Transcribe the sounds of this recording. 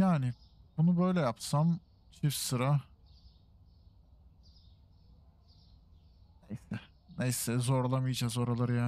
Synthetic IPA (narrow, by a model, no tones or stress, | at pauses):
jaːnɪbunubø̞jlʲɛjapsam | t͡ʃʰifsɯɾa | nejsɛ | ne̞jsɛzo̞ɾlˠamɯjɯd͡ʒazo̞ɾalˠaɾɯjaː